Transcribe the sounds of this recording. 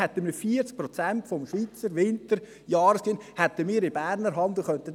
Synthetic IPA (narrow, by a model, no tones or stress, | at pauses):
ɛt̪ːəmifiːəɾt͡sk̚pɾɔt͡sæntfɔmʃʋiːt͡səɾʋɪntəɾ | jɑːɾəskiːnhɛt̪ːəmiːɾɪb̥æːɾnəɾɦɑnd̪l̩ˠχœnt̪ə